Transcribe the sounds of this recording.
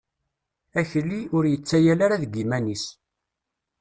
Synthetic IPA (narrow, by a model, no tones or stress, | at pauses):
æçlːiʊɾjət͡sːæjælaɾaðɡimænis